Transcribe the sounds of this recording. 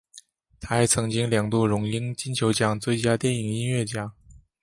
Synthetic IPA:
t̪ʰa˥t͡sʰɤ˧˥ŋt͡ɕi˥ŋljɑ˨˩ŋt̪u˥˩ɻʊ˧˥ŋi˥nt͡ɕi˥nt͡ɕʰjo˧˥ʊt͡ɕjɑ˥ŋt͡swe˥˩ɪt͡ɕja˥t̪jɛ˥˩ni˨˩ŋi˥nɥɛ˥˩t͡ɕja˥

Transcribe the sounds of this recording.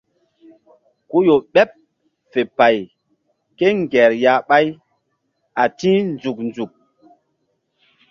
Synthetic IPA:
ku˦jo˨ɓɛ˦p̚ | fe˨pa˨j | ke˦ŋɡɛ˨ɾja˨˦ɓa˦j | a˨tĩ˦nd͡zu˨k̚nd͡zu˨k̚

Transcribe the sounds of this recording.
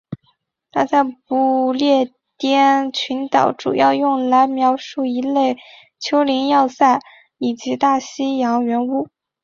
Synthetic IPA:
t̪ʰa˥t͡sa˥˩ɪpu˧˥ljɛ˥˩ | t̪jɛ˥nt͡ɕʰy˧˥nt̪ɑ˨˩˦ʊʈ͡ʂṵ˨˩jɑ˥˧ʊjʊ˥˩ŋla˧˥ɪmjɑ˧˥ʊʂu˥˩i˧˥le˥˩ɪ | t͡ɕʰjo˥ʊli˧˥ŋjɑ˥˧ʊsa˥˩ɪ | i˨˩t͡ɕi˧˥t̪a˥˩ɕi˥jɑ˧˥ŋɥɛ˧˥nu˥˩

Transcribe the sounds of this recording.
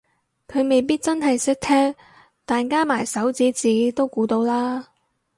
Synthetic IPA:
kʰɵ˨˧ɥme˨˧jpiː˥t̚t͡sɐ˥nɦɐ˨jsɪ˥k̚t̪ʰɛː˥ŋ | t̪aː˨nkaː˥maː˨˩jsɐ˨˥wt͡siː˨˥t͡siː˨˧˥t̪o˥wkuː˨˧˥t̪o˧wlaː˥

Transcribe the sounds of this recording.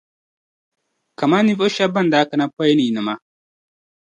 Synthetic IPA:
ka˨ma˦ni˦vo˦ʃa˦bɐ˦n˨da˨˦kɐ˨na˦pɔ˦jni˨nə˨ma˦

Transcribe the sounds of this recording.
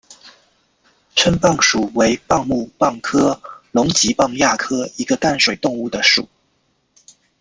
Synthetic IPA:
ʈ͡ʂʰə˥npɑ˥˩ŋʂu˨˩we˧˥ɪpɑ˥˧ŋmu˥˧pɑ˥˩ŋkʰɤ˥lʊ˧˥ŋt͡ɕi˧˥pɑ˥˧ŋja˥˩kʰɤ˥i˧˥ɡə˧t̪a˥˩nʂwe˨˩ɪt̪ʊ˥˧ŋu˥˩d̪ə˩ʂṵ˨˩˦

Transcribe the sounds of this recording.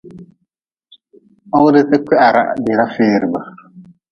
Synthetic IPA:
a˦ʊ˦dɪ˦tɪ˦kɛ˦ʔa˨ɾa̰˨dɪ˨ɾa˦fɪː˦ɾɨ˨ba˨

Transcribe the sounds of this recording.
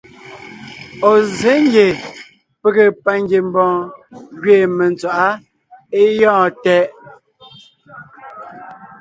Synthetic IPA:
o˨ze˨˦ŋ˦ɡje˨ | pe˨ɣe˨pa˨ŋ˦ɡje˨m˦bɔ̃ː˨ɣɥeː˨me˨nt͡swa˨ʔa˦ | e˦jɔ̃ː˦˨tɛ˦ʔ

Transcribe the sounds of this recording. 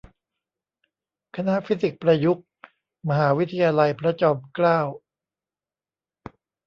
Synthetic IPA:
kʰa˧na˦˥ʔfi˦˥si˨˩k̚pɾa˧ju˦˥k̚ | ma˧ɦaː˩˦wi˦˥t̪ʰa˧jaː˧la˧jpʰɾa˦˥t͡ɕɔː˧mklaː˥˩w

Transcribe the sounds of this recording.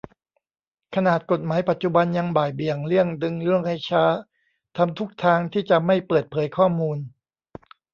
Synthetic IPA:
kʰa˧naː˨˩t̪̚ko˨˩t̪̚maː˩˦jpa˨˩t̪̚t͡ɕu˨ba˧nja˧ŋbaː˨˩jbi˨˩əŋɾɯ˥˩əŋdɯ˧ŋɾɯ˥˩əŋha˥˩jt͡ɕʰaː˦˥ | t̪ʰa˧mt̪ʰu˦˥k̚t̪ʰaː˧ŋt̪ʰiː˥˩t͡ɕa˨˩ma˥˩jpɤː˨˩t̪̚pʰɤː˩˦jkʰɔː˥˩muː˧n

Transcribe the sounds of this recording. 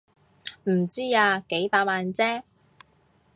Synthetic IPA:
m̩˨˩t͡siː˥aː˧ke˨˥jpaː˧t̚maː˨nt͡sɛː˥

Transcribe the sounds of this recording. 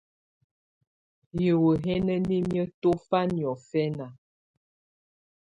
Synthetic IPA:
jə˨wə˨ɦɛ˦nə˦ni˦mjə˦to˦fa˦njɔ˨fɛ˦na˨

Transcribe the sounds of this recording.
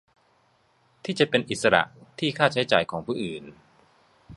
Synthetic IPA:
t̪ʰiː˥˩t͡ɕa˨˩pe˧nʔi˨˩t̪sa˧ɾa̰˨˩ʔt̪ʰiː˥˩kʰaː˥˩t͡ɕʰa˦˥jt͡ɕaː˨˩jkʰɔː˩˦ŋpʰuː˥˩ʔɯː˨˩n

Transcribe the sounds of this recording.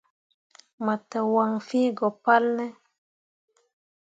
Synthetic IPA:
ma˨ta˨wa˨ŋfi˦ɡɔ˨pa˦lnɛ˦

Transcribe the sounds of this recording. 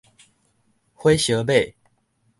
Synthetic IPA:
xwe˥˦ɪɕjɤ˨˧˥pe˥˨ɪ

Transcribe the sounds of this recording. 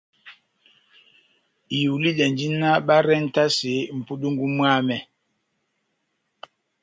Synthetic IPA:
i˨u˨li˦ɗɛ˨nd͡ʒi˦na˦ɓa˦ɾɛ˦n̩˦ta˦se˨˦m̩˨pu˦ɗu˦ŋɡu˦mwa˦mɛ˨

